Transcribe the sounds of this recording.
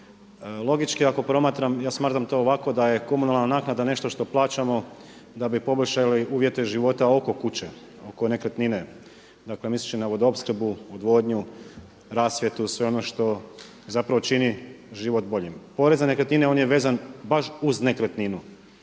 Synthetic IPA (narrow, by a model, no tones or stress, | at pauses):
lˠo̞ɡit͡ʃkiako̞pɾo̞maːt̪ɾamjaːsmaːt̪ɾamt̪o̞ːʋako̞d̪aje̞ko̞munalˠnanaːknad̪ane̞ʃt̪oʃt̪o̞plˠaːt͡ʃamo̞ | d̪abipo̞boʎʲʃaliuːʋje̞t̪e̞ʒiʋo̞t̪ao̞ko̞kut͡ɕe | oko̞ne̞kɾət̪nine̞ | d̪akle̞mislit͡ʃinaʋod̪opskɾ̩buod̪ʋo̞ːd̪ɲu | ɾaːsʋjet̪usʋe̞o̞no̞ʃt̪o̞ | zapɾaʋo̞t͡ʃiniʒiʋo̞t̪bo̞ʎimpo̞ɾe̞zanekɾet̪nineo̞nje̞ʋeːzanbaʃuzne̞kɾət̪ninu